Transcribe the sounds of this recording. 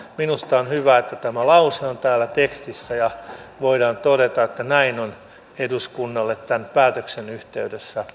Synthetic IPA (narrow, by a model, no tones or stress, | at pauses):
minust̪ɑonhyʋæet̪ːæt̪æmælɑuseont̪æːlːˑæt̪ekst̪isːæjɑʋoidɑːnt̪odet̪ɑet̪ːænæinon | eduskunːɑlːet̪t̪ænpæːt̪øksenyht̪eydesːæ